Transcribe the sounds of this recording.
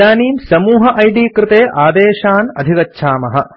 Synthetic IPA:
aːniːmsɐmuːɦɐʔɐjɖiːkɾɪt̪eːʔaːd̪eːʃaːnɐ̰d̪ʱikɐtːʃʰaːmɐɦɐ

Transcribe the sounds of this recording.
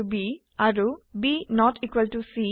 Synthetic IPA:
ubi | aɾubinɔʈʰikwəlʈusi

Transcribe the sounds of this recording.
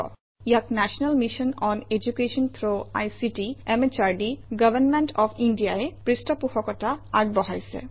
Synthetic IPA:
ɔ̰ | ijaknɛʃɔnalmiʃɔnɔned͡ʑukeʃɔnt̪ʰɾoa̰jsiʈiemet͡ʃaɹɖiɡəbənmeɳʈɔpʰinɖijaepɹisʈɔpuhɔkɔtaaɡ̚bɔɦajsɛ̰

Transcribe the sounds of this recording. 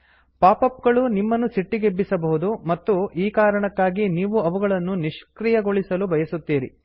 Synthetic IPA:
paːpɐpɡɐɭunimːɐnːusiʈːiɡebːisɐbɐɦud̪umɐt̪ːuʔiːkaːɾɐɳɐkːaːɡiniːʋuɐʋuɡɐɭɐnːuniʂkɾijɐɡo̞ɭisɐlubʱɐjɐsut̪ːiːɾḭ

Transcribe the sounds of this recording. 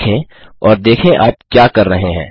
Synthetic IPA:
kʰẽ | ɔːɾd̪eːkʰẽʔaːp̚kjaːkɐɾːɐɦẽɦɛ̰̃ː

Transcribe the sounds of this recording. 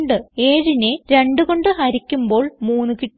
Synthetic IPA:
ɳɖɨe̞ːɻineɾe̞ɳɖuɣo̞ɳɖɨɦɐɾikʲːumbo̞ːɭmuːnːɨki

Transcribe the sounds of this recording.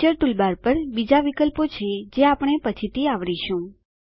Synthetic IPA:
t͡ʃəɾʈulbaɾpəɾbid͡ʒaʋikəlpot͡ʃʰed͡ʒeapɳ̃epət͡ʃʰit̪ʰiaʋɽiʃũ

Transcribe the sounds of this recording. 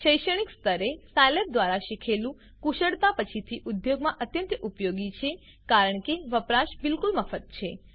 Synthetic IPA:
ʃəjʃəɳ̃ikst̪əɾesajlep̚d̪ʋaɾaʃikʰelũ | kuʃəɽt̪apət͡ʃʰit̪ʰiʔud̪joɡmãʔət̪jə̃nt̪ʔupjoɡit͡ʃʰe | kaɾəɳkeʋəpɾaʃbɪlkulməfət̪̚t͡ʃʰe

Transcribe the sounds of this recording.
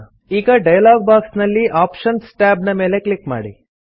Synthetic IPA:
iːɡɐɖɐjɐlaːɡ̚baːksnɐlːiʔaːpʃɐnsʈaːbnɐme̞ːle̞kɭikma̰ːɽḭ

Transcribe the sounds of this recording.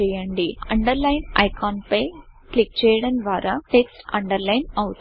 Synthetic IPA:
ɛjːɐɳɖiɐɳɖɐɾlɐjnɐjkaːnpɐjklik̚t͡ʃɛːjɐɽɐnʋaːɾɐʈeksʈɐɳɖɐɾlɐjnɐʋut̪

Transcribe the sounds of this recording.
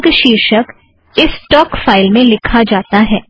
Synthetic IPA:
ɡʃiːɾʃək | ɪsːʈɔːkfaːɪlmẽlɪkʰad͡ʒaːt̪aɦɛː

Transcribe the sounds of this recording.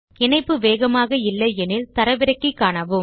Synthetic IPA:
ɪɳɐɪpːɯʋeːɣɐmaːɣɐɪlːɐɪɛnɪlt̪ɐɾɐʋɪɾɐɪkːɯkːaːɳɐʋɯm

